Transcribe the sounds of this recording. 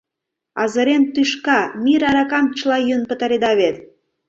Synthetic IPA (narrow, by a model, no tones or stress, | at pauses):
ɑzɤ̆ɾent̪yʃkɑmiɾɑɾɑkɑmt͡ɕlɑjønpə̆t̪ɑɾed̪ɑβet̪